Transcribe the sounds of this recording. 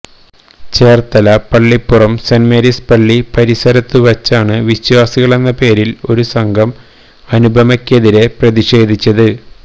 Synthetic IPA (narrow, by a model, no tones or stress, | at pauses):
t͡ɕeːrt̪ɐlɐpɐɭːipːurɐmsɐnmeɾispɐɭːipɐɾisɐɾɐt̪ːɨʋɐt͡ɕːaːɳɨʋiɕwaːsiɣɐɭe̞nːɐpe̞ːɾilo̞̰ɾusɐŋɡʱɐm | ɐnubʱɐmɐkʲːeðiɾe̞prɐðiɕe̞ːd̪ʱit͡ɕːɐðɨ